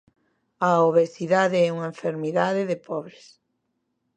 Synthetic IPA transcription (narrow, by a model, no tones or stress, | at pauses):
ɐoβeθiðaðeɛuŋɐeɱfeɾmiðaðɪðɪpʰɔβɾes